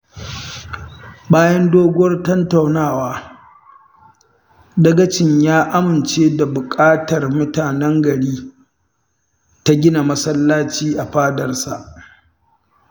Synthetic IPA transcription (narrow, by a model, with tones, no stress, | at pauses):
baː˦jɐ˦ndoː˦ɡʷʊ˦wɐ˦rtɐ˦nta˨wnaː˦˨waː˦ | dɐ˦ɡɐ˦t͡ʃɪ˨ɲjaː˦ʔa˦mɪ˨nt͡ʃeː˦da˨bʊ˨kʼaː˦tɐ˨rmʊ˦taː˨nɛ˦ŋɡɐ˨ɽiː˦ | ta˦ɡʲɪ˦na˨mɐ˦sɐ˦lːaː˦t͡ʃiː˦ʔa˨ɸaː˦dɐ˨rsa˨ʔ